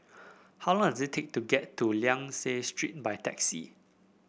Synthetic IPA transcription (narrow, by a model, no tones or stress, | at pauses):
hawlɔ̃ŋdɔzetʰek̚tuɡɛtːuljãŋsestɹḭt̚bajtɛksḭ